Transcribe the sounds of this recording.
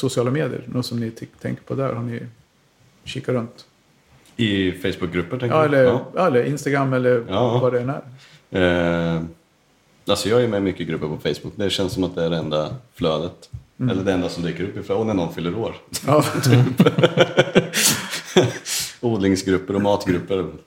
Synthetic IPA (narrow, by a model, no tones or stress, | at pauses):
sʊsɪɑːlameːd̪ɪ̰ə̰ɾnɔsɔmnɪt̪ʰɛ̰ŋkəpʰɔd̪æ̰ɾhɔnɪ | ɕiːkːaɾɵnt̪ | ɪfɛjsbʊk̚ɡɾɵpːəʈʰɛŋkɑːɛlːəɾjɑːɛlːəɾʔɪnst̪aɡɾamːɛlːəɾɑːvaɖɛɛnæ̰ɾ | alsɔjɑːjɪɾmɛmʏkːəɡɾɵpːəɾpʰɔfɛjsb̥ʊkːd̪ɛɕɛnsɔmat̪̚d̪ɛæɖɛɛnd̪afløːd̪ət̪ | ɛ̰lːəɖɛɛnd̪asɔmd̪yːkəɾɵpːɪflːɔnænɔnfʏlːəɾoːɾɑːt̪ʰyp | uːd̪lɪŋsɡɾɵpːəɾɔmɑːt̪ɡɾɵpːəɾ